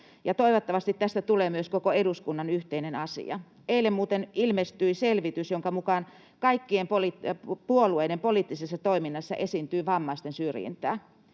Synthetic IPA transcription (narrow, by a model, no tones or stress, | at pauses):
jɑt̪oiʋot̪ːɑʋɑst̪it̪t̪æst̪æt̪uleːmyøskokoeduskunːɑnyht̪einenɑsḭɑ̰ | eilːemmuːt̪enilmest̪yiselʋit̪ysjoŋkɑmukɑn | kɑikːiempolipuolueinempoliːt̪ːisesːɑt̪oiminːɑsːɑ̰ʔesint̪yːʋɑmːɑist̪ensyrjḭnt̪æ̰ː